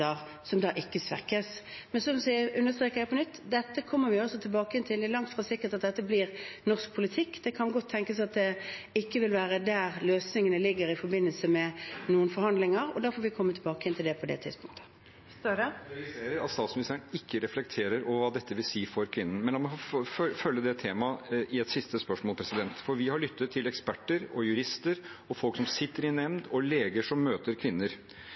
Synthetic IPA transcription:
əʁ | sɔmd̪ɑːʔɪkːəsʋɛ̰kəsmɛnsɔmsæəʉnːəʁst̪ɾeːkəjæɪpʰɔnʏt̪ːd̪ɛt̪ːəkʰɔmːəɾʋɪɔsɔt̪ʰɪlbɑːkəɪnt̪ʰɪld̪ɛælɑŋt̪fʁɑsɪkːəɾt̪ɑt̪̚d̪ɛt̪ːəbliːʁnɔʁsk̚pʰʊlɪt̪ʰɪkːd̪̥ɛkʰɑnɡɔt̪ʰːɛŋkəsɑt̪̚d̪ɛɪkːəʋɪlʋæːɾəd̪æɾløːsnɪŋənəlɪɡːəɾɪfɔɾbɪnːəlsəmɛnuːənfɔɾhɑnd̪lɪŋəɾɔd̪æɾfoːʋɪkʰɔmːət̪ʰɪlbɑːkəɛnt̪ɪld̪ɛpʰɔd̪ɛ̰t̪ʰɪ̰d̪spʰʊ̰ŋk̚t̪ʰə̥ | ʋɪseːɾəɾɑ̰t̪st̪ɑːt̪smɪnɪst̪ʰæːɳɪkʰːəɾɛflɛk̚t̪ʰeːɾəɾɔʋəʋɑːd̪ɛt̪ːəʋɪlsiːfɔɾkʰʋɪnːən̩mɛnɑnmɔfœlːəd̪ɛt̪ʰeːmɑɪɛt̪sɪst̪əspœʂmɔːlˠpʰɾɛsɪd̪ɛnt̪fɔɾʋɪhɑɭʏt̪ʰːət̪ʰːɪlɛkspæʈːəɾɔjʉɾɪst̪əɾɔfɔlksɔmsɪt̪ːəɾɪnɛmnd̪ɔleːɡəʂɔmːøːt̪əɾkʰʋɪnːəɾ

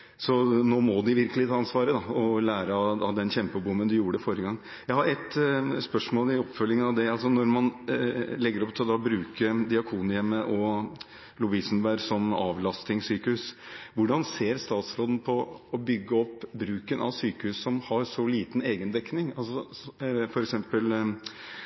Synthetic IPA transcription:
sɔnoːmɔd̪ɪʋɪɾkəlɪt̪ʰɑːɑnsʋɑːɾəd̪ɑɔlæːɾəɑɑd̪ɛnçɛmpəbʊmːənd̪ɪjuːəɖəfɔɾjəɡɑŋː | jæɪhɑɾɛt̪spœʂmoːlɪɔpːfœlːɪŋəɑʋd̪ɛɑlsɔnɔɾmɑnlɛɡːəɾɔpt̪ʰɪld̪ɑbɾʉːkəd̪ɪɑkʰuːnjɛmːəʔɔ | lʊʋɪsənbæɾsɔmɑ̰ːʋlɑst̪ɪŋsyːkəhʉːsʋʊɖɑnseːɾst̪ɑːt̪sɾoːd̪n̩pʰɔɔbʏɡːəɔpːbɾʉːkənʔɑ̰ʋsyːkəhʉːssɔmhɑɾsɔliːt̪n̩eːɡənd̪ɛknɪŋɑlsɔfɔɾɛksɛmpəl

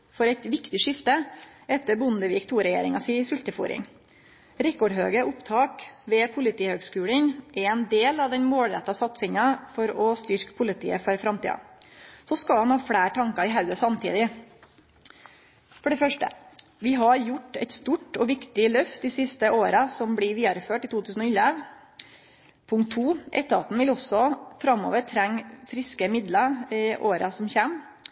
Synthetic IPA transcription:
fɔɾæɪt̪ʋɪkt̪ɪʂɪft̪əɛt̪ːəɾbʊnd̪əʋiːkt̪ʰuːɾɛjḛːɾɪŋɑsiːsʉlt̪əfṵːɾɪ̰ŋ | ɾɛkɔɖɦøːɡəʔʊpt̪ʰɑːkʋɛpʰʊlɪt̪ʰiːhøːɡskʉːləŋʔɛɾɛnd̪eːlɑʋd̪ɛɲmoːlɾɛ̰t̪ːɑsɑt̪sɪŋɑfɔɾɔst̪ʏɾkə̥pʰʊlɪt̪ʰḭːəfɔɾfɾɑmt̪ḭːɑ̰sɔskɑlhɑnhɑːfɽæːʈʰɑŋkɑɪɦɑʉəsɑmt̪ʰḭːd̪ɪ | fɔɖɛfœʂʈə̰ | ʋɪɦɑɾjʊʈːɛ̰ɪt̪st̪uːʈɔʋɪkt̪ɪlœft̪ɪsɪst̪əʔoːɾɑsɔmbɽɪʋiːɑɾføːʈɪːt̪ʰuːt̪ʰʉːsn̩ɔʏlɛʋ | pʰʊŋkt̪ʰːuːʔɛ̰t̪ːəɑ̰t̪n̩ʋɪlɔsɔfɾɑmːo̰ːʋəɾt̪ʰɾɛŋːfɾɪskəmɪd̪lɑɪʔoːɾɑsɔmçæːm

